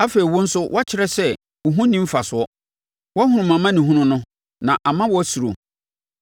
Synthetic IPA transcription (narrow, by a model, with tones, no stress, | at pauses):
a˦fe˨ɾi˨wʊ˦n̩˦sʊ˦wʔa˦t͡ɕʰɪ˦ɾɛ˦sɛ˦ | ʊ˨ɦũ˦nĩ˦m̩˦fa˨sʊ˨˦ɔ˦ | wɔ˦hʊ̃˨˦ɾʊ̃˨mã˨mã˦nĩ˨ɦũ˦nʊ̃˦nʊ̃˦ | nã˨ʔa˨mã˦wɔ˦su˨ɾo̰˨